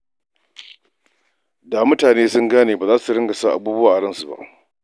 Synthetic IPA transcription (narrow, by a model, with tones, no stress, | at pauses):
da˨mʊ˦taː˨neː˦sʊ˦ŋɡaː˦neː˨baː˨zaː˦su˨ɽɐ˦ŋɡa˨saː˦ʔa̰˨buː˦bʊ˦waː˨ʔɽɐ˦nsu˨ba̰˦ʔ